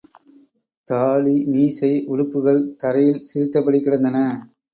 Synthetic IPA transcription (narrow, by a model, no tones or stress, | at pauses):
t̪aːlimiːsɐɪʔʊɻɯpːɯɣɐɭt̪ɐɾɐjɪlsɪɾɪt̪ːɐpːɐɽikːɪɽɐnd̪ɐnɐ